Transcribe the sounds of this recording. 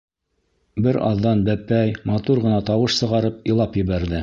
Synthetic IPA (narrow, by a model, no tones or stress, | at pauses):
bɘɾɑ̰ðːɑnbæpːæjmɑt̪uɾʁɤ̆nɑt̪ɑwɤʃsɤ̆ʁɑɾɤp̚ilˠɑpjɘ̆βæɾðɘ